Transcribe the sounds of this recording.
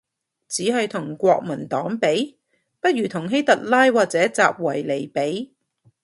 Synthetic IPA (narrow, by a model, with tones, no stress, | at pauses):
t͡siː˨˥ɦɐ˨˧ɥt̪ʰʊ˨˩ŋkʷɔː˧k̚mɐ˨˩nt̪ɔː˨˥ŋpe˨˥j | pɐ˥t̚ɥyː˨˩t̪ʰʊ˨˩ŋɦe˥jt̪ɐ˨t̚laː˥jwaː˨k̚t͡sɛː˨˥t͡sa̰ː˨p̚wɐ˨˩jle˨˩jpe˨˥j